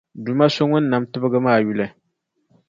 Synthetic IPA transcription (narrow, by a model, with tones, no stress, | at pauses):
du˨ma˦so˦ŋʊ˦n̩˦nːa˨mtɨ˦bɨ˦ɡɨ˦maː˦˨ju˦˨lɨ˨